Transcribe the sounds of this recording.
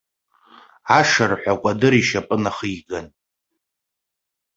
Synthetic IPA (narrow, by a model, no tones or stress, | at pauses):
aʂarħʷakʷʼadɨɾiʃapʼɨnaχɨjɡan